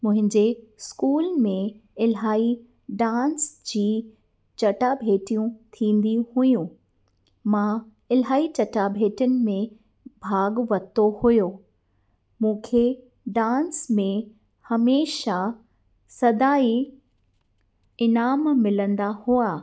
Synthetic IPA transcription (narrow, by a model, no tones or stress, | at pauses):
mʊ̃ɦɪ̃ɲd͡ʑeskuːlmẽɪlɦaːi | ɖãːnsd͡ʑiː | t͡ɕɐʈabʱeːʈijũt̪ʰĩːnd̪ihʊjũ | mã | ɪlɦaːit͡ɕɐʈabʱeːʈənɪ̆mẽ | bʱaːɡʋɐt̪ohʊjo | mũːkʰe | ɖãːnsmẽ | hɐmeːʃa | sɐd̪aːi | ɪnaːmmɪlə̃nd̪ahuaː